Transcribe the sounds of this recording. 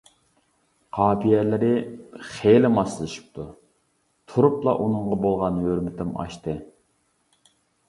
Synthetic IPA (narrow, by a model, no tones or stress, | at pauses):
qʰɑːpijɛlɪɾɪχelɪmɑsɨlˠɨʃi̥p̚t̪ʰu | t̪ʰuɾuplˠɑ̰ʔunɨŋʁɑbolˠʁɑnjøɾmɪt̪ɪmɑ̰ʃt̪ɨ